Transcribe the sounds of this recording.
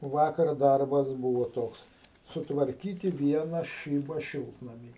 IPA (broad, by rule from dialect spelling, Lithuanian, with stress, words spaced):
ˈʋɑːkɐr ˈdɐrbɐs ˈbuːʋoː ˈtoːks sʊtʋɐrʲˈkʲiːtʲɪ ˈʋʲiɛnɐ ˈʃʲiːbɐ ˈʃʲɪlˠtnɐmʲiː